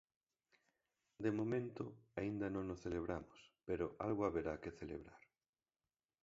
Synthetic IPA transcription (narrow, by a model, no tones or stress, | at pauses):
d̪emomẽnt̪ʊaind̪anõŋnosθeleβ̞ɾamʊspeɾoʔa̰lɣoaβeɾakeθelḛβɾaɾ